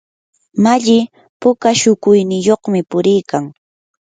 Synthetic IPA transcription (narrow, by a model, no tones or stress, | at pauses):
maʎɪ | pʊkaʃʊkʊjnɪjoχmɪpʊɾɪjkaŋ